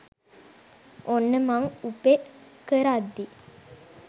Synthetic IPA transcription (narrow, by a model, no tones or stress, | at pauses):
onːəmaŋupekəɾad̪ːi